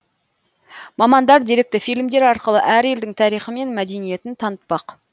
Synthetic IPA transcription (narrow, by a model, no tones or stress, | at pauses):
mɑmɑnd̪ɑɾd̪eɾe̞k̚t̪ɪfijlʲmd̪e̞ɾɑɾqəlˠəʔæɾe̞ld̪ɪŋt̪ʰɑɾijχəme̞nmæd̪e̞nije̞t̪ɪnt̪ʰɑnət̪̚pɑq